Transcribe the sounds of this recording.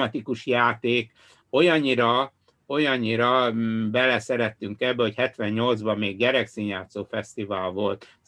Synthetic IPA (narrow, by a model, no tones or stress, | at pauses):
ɒt̪ikuʃjaːt̪eːk | o̞jɒɲːiɾɒ | o̞jɒɲːiɾɒbɛlɛsɛɾɛt̪ːyŋkɛbːɛochɛt̪ʋɛɲɲo̞ld̪zbɒmeːɡɟɛɾɛksiɲaːt̪soːfɛst̪ivaːlvo̞lt̪